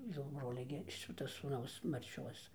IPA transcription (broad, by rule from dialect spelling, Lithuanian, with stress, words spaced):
jɛʊ ˈbroːlʲɛ ɡʲɪ ˈʃʲɪtɐ suːˈnɐʊs ˈmɐrʲt͡ʃʲoːs